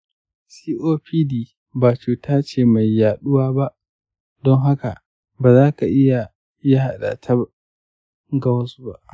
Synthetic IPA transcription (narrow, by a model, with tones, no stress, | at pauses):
siː˦ʔoː˦piː˦diː˦˨ | baː˨t͡ʃuː˨tʰaː˦t͡ʃeː˦˨ma˨jːaː˨ɗʊ˦waː˦ba˦ʔ | dɔ˦ŋɦa˦ka˨ | baː˨zaː˦ka˨ʔɪ˦ja˨ | ja˦ha˨ɗa̰˨tʰa˦ | ɡa˦wsba˦ʔ